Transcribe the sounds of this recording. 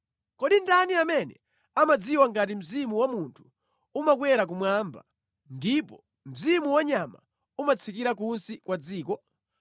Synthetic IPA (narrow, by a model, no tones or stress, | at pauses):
kɔɗindaniamɛnɛ̰ | amad͡ziwaŋɡat̬im̩zimuwamuntʰu̥ | umakwɛɾak̬umwaːmba̰ | ndipɔ | m̩zimuwaɲama̰ | umat͡sʰikiɾak̬unsikwad͡ziːkɔ